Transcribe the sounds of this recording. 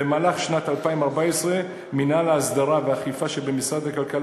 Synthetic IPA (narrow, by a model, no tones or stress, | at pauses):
emaːlaχʃnat̪alpaimaʁbaesʁe | minalaːsd̪aʁaveaχifaʃebemisʁad̪hakalkal